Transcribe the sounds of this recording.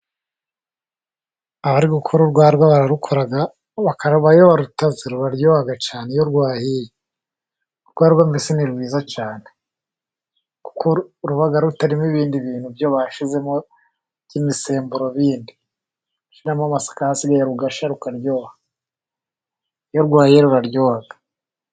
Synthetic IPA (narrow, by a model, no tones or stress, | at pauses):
aβaɾiɡukʰoɾuɾɡwaːɾɡwaβaɾaɾukʰoɾaɡa | βakaɾβajoβaɾutazeɾuβaɾjoːβaɡat͡ʃaːne̞joɾɡwaːhije | ɾɡwaːɾɡwambisiniɾɡwiːzat͡ʃaːne | ku̥kʰoɾuβaɡaɾutaɾimiβiːndiβiːn̥huvjo̞βaʃize̞mo | imise̞ːmbuɾo̞βiːndi | ʃinamamasḁkahasiɡajeɾuɡaʃaɾukaɾjo̞ːβa | joɾɡwaːhijeɾuɾaɾjoːβaɡ̥a